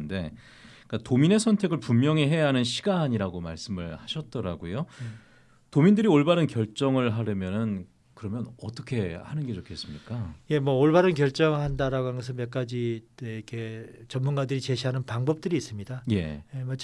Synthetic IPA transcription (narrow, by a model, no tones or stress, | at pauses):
nde̞ | k͈atomine̞sʰʌntʰe̞ɡɯɭpumːjʌŋeɦe̞jaɦanɯnɕʰi̥ɡaɲiɾaɡoma̰ɭs͈ɯmɯɭhaɕʰʌt̚t͈ʌɾa̰ɡojo | tomindɯɾioɭbaɾɯnkjʌɭt͡ɕ͈ʌŋɯɭɦaɾɯmjʌnɯn | kɯɾʌmjʌnʌ̰t͈ʌkʰe̞hanɯnɡed͡ʑokʰe̞s͈ɯmɲik͈aje̞mwʌoɭbaɾɯnkjʌɭt͡ɕ͈ʌŋɯɭɦandaɾaɡoɦanɡʌs̬ʰɯnmjʌk͈̚ad͡ʑieikʰe̞t͡ɕʌmːunɡadɯɾit͡ɕe̞ɕʰiɦanɯnpaŋbʌp̚t͈ɯɾiːs͈ɯmɲidaje̞̰jemat͡ɕ